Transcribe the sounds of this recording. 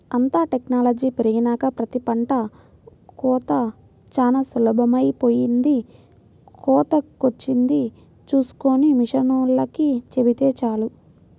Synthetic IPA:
ɐnt̪aːʈeknaːlɐd͡ʒiːpiɾɐɡinaːkɐpɾɐt̪ipɐɳʈɐ | kɔːt̪ɐ | t͡ʃaːnɐsulɐbɐmɐjpoːjind̪i | kɔːt̪ɐkot͡ʃːind̪i | t͡ʃuːsu̥koːnimiʂɐnulːɐkit͡ʃebit̪eːt͡ʃaːlu

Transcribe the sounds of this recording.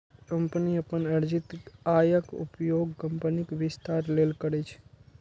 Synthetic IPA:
kəmpniəpənəɾd͡ʒɪt̪ajəkṵpjoɡkəmpənikʋɪst̪aɾlelkəɾɛt͡ʃʰ

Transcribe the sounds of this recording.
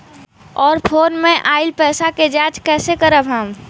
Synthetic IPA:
ɔːɾpʰoːnmẽʔaːɪlpɛːsaked͡ʒaːt͡ʃkɛːsekəɾəbʱɦãːm

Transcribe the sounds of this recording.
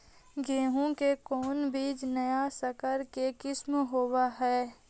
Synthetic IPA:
ɡeːɦõkekɔːnbiːd͡ʒnɐjasəkəɾkekɪsmɦoːwaɦɛː

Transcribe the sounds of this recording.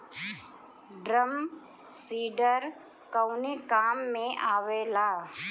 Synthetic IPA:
ɖɾəm | siːɖəɾ | kəwnikaːmːẽʔaːʋeːlaː

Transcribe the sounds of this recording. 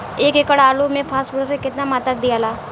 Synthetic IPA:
eːkekəɽaaːlumẽpʰaːsbʊɾsekɪt̪namaːt̪ək̚d̪ijaːlaː

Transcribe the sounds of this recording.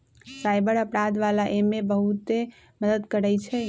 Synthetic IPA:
sajbəɾəpɾad̪ʋalaʔemebəɦut̪e | məd̪əd̪kəɾəjt͡ʃʰɛ

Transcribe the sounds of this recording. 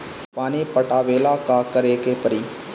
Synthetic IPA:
paːnipəʈaːʋeːlaːkaːkəɾeːkepəɾiː

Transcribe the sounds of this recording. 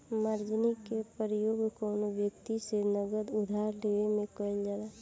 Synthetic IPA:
maɾd͡ʒnikepəɾəjoːɡkɔːnoʋjəkt̪isenəɡəd̪ʊd̪ʱaːɾleʋemẽkəɪld͡ʒala

